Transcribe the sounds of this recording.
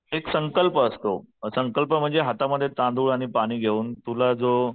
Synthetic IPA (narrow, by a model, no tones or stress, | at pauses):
eksəŋkəlpəːst̪osəŋkəlpəm̤əɳd͡zeɦat̪aməd̪ʱːjet̪ãnd̪ʱuːɭaɽ̃ipaɽ̃iːɡʱeuːnt̪ulad͡zo